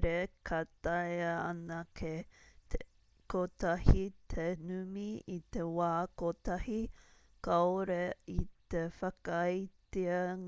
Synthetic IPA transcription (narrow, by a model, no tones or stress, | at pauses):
ɾekʰɐt̪ajɐɐnɐkʰe | kot̪ɐhit̪ʰenʉmiit̪e̞waːkot̪ɐhi | kɐoɾeit̪efɐkːjt͡siɐŋ